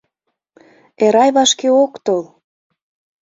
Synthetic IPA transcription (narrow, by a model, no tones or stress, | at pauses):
eɾɑjβɑʃkeokt̪ol